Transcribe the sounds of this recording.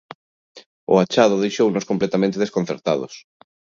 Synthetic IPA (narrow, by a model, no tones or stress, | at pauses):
ʊ̰at͡ʃaðʊðejʃownʊskomplɛt̪amẽnt̪eðeskonθeɾt̪aðʊ̰s